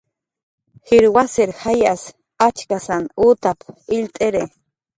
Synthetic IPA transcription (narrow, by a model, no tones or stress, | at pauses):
xiɾwaseɾxajas | at͡ʃkasanuːt̪apilt̪ʼeɾe